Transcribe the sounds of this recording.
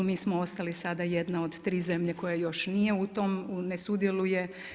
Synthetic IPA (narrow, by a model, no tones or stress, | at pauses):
miːsmoo̞st̪alisad̪ajed̪nao̞d̪t̪ɾiːze̞mʎeko̞jajo̞ʃnijeut̪o̞mnesud̪jeluje̞